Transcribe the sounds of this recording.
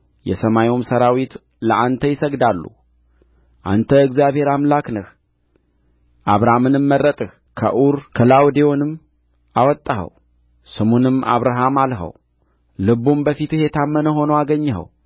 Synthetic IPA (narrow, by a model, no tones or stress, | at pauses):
jɛ̰səmajumsəɾawit̪ | ləʔant̪ʰəjɪsəɡd̪alːṵ | ʔa̰nt̪ʰəɨɡzjaβhe̞ɾamlaknəh | ʔaβɾaamɨnɨmːərːət̪ʼɨh | kʰə̰ʔuɾkʰəlawd̪ejonɨmː | awɔt̪ʼːahə̰w | sɨmunɨma̰βɾaɦamalɦə̰w | lɨβumbəfit̪ɨhɛt̪ʰamːənəɦo̞nəwaɡəɲːəɦə̰w